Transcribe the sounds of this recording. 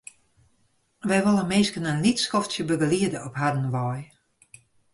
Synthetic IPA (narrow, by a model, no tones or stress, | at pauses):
ʋɛjʋolˠəmɪːskənənlitskɔftsjəbəɡəliədəɔphadən̩ʋɔj